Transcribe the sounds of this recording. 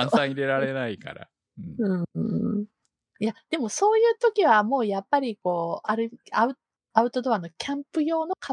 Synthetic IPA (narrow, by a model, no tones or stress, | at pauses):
sãiɾe̞ɾaɾe̞naika̰ɾa̰ | ɯ̃ɴɯ̟̃ɴ | jad̪̥e̞mo̞so̞ːjɯ̟ːt̪okʲiβ̞amo̞ːjapːaɾʲiko̞ːʔaɾɯ̟aɯ̟ | aɯ̟t̪o̞d̪o̞βano̞kʲʰãmpɯ̟jo̞ːno̞ka